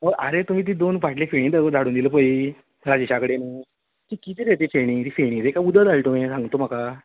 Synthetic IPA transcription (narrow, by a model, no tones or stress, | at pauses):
məʔaɾet̪um̤iːt̪̬iːd̪onʋʱaʈlifeɽ̃ĩːd̪əəd̪ʱaɽuːnd̪iləpəi | ɾad͡ʑiɕakɽenu | t̪ikit̪iɾet̪iːfeɽ̃ĩt̪ifeɽ̃ĩːd̪ekaud̪əd̪alʈ̪oẽsãŋɡt̪om̤aka